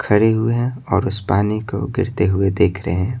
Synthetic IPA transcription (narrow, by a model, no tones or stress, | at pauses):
kʰɐɽeɦʊeɦɛ̃ɔːɾʊspaːniko̰ɡɪ̰ɾt̪eɦʊed̪eːkʰɾəɦɛ̃ː